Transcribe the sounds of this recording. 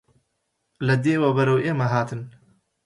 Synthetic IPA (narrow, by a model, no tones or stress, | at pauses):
lɐd̪eːwɐbɐɾɐwʔeːmɐɦaːt̪ʰɨn